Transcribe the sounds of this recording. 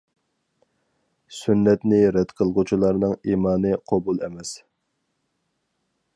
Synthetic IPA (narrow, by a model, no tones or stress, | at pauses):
synːɛt̪nɪɾɛd̪̥qʰəlˠʁʊt͡ʃʰilˠɑɾnɨŋimɑːnɨqʰobulˠɛmɛs